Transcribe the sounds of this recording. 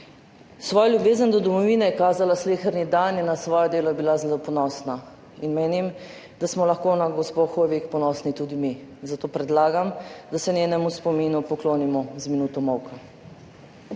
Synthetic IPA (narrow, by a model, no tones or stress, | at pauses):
sʋɔːjlʲjubeːzənd̪ɔd̪ɔmɔʋiːnɛjɛkaːzalaslexəɾnid̪anjɛnasʋɔːjɔd̪eːlɔjɛbilazelopɔnɔːsna | inmeːnim | d̪asmɔlaxkoːnaɡɔspoxojʋikpɔnɔːsnit̪uːd̪imizat̪oːpɾɛd̪laːɡamd̪asɛneːnɛmuspɔminupɔkloːnimɔzminuːt̪ɔmɔwka